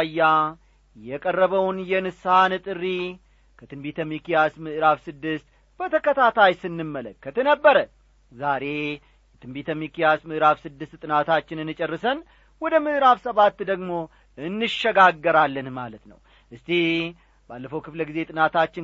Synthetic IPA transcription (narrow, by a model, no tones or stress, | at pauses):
jːa | jɛkʼərːəβəwnjɛnɨsanɨt̪ʼɨrːi | kʰət̪ʰɨnbit̪ʰəmikijasmɨʔɾafsɨd̪ːɨst̪ | b̥ət̪ʰəkət̪ʰat̪ʰajsɨnːɨmːələkːət̪nəbːəɾə | zaɾe̞ | jɛt̪ʰɨnbit̪ʰəmikijasmɨʔɨɾafsɨd̪ːɨst̪t̪ʼɨnat̪ʰat͡ʃːɪnɨnːɨt͡ʃʼərːɨsən | wɔd̪əmɨʔɾafsəβat̪ːd̪əɡmo̞ | ɨnːɨʃəɡaɡːəɾalːənmalət̪nə̰w | ʔɨst̪ʰi | balːəfəwkɨfləɡize̞t̪ʼɨnat̪ʰat͡ʃːɪ